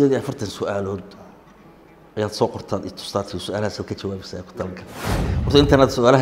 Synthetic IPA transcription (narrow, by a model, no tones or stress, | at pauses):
ɔːðiʔɐfɐrt̪ʰɐnsʊʔaːlɔːd̪ | ʔɐjaːd̪sɔːqɔrt̪ʰaːnɪt̪ʰʊ̥st̪aːrt̪ʰɪʊsʊʔaːlhaːsɐkʰɐt͡ʃɐwaːβɛsaɛkʰʊ̥t̪ʰɐlɐŋkʰɐhɔrt̪ɐɪnt̪ʰɐnaːd̪sʊaːlɐɦ